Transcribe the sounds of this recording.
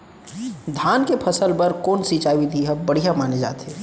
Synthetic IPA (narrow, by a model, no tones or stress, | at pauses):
d̪ʱaːnkepʰɐsəlpɐɾkoːnsiːt͡ʃaːʋid̪ʱiɦɐbɐɽ̤ijamaːned͡ʒa̰ːt̪ɦeː